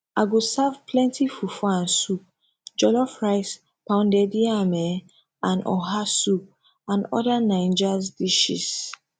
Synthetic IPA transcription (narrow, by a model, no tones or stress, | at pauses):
aɡosavpʰlɛ̃ntʰifufɔãnsup̚ | d͡ʒɔlɔfɹaɪs | pãʊ̃ndɛdiamɛ | ãnɔ̰ɦasup̚ | ãnɔ̰danãj̃nd͡ʒasdiʃḭs